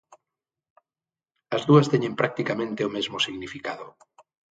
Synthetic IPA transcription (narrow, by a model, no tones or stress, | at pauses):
azðuast̪eɲempɾak̚t̪ikamẽnt̪eomezmosiɣnifikaðo